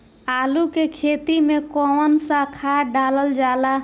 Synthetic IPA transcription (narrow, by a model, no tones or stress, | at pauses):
alukekʰet̪imekɔnsãkʰaɖaləld͡ʒala